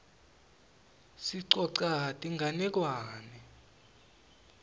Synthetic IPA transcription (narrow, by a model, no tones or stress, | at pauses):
siǀɔǀatʼiŋʱanɛk̬waːnɛ